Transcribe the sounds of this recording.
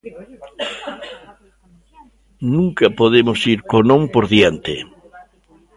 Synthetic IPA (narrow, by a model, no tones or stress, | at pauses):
nũŋkapoðemosiɾkonõmpoɾðjant̪ḛ